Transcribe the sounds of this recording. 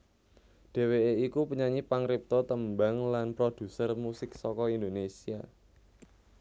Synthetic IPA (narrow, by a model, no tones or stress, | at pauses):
d̥e̤weeikupuɲaɲipaŋɾip̚t̪ɔt̪əmbaŋlanpɾod̥ṳsərmusɪk̚sɔkɔind̪onesia